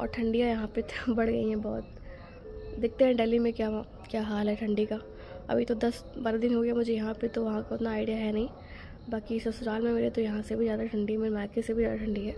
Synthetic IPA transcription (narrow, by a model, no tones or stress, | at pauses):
ɔ̰ːɾʈʰɐ̃ɳɖijajɐɦãpebɐɽɡɐ̰iɦɛ̃bɔːt̪̚ | d̪ɪk̚t̪eɦɛ̃ɖɛːlimẽkjaː | kjaːɦaːlɦɛʈʰɐ̃ɳɖika | ɐ̰bʱit̪od̪ɐsbaːɾad̪ɪnɦoːɡejamʊd͡ʒʱejɐɦãpet̪oʋɐɦãkaʊt̪naːɪɖijaɦɛnɐɦĩ | baːkisɐsʊɾaːlmẽmeːɾet̪ojɐɦãsebʱizjaːd̪aʈʰɐ̃ɳɖimeːɾmaːkesebʱizjaːd̪aʈʰɐ̃ɳɖiɦɛː